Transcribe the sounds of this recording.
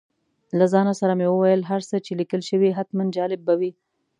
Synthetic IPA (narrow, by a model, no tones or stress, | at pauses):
lazɑnasaɾamewəwajəlɦaɾsət͡ʃelikəlʃəwiɦat̪mand͡ʒɑlɪb̚ːawi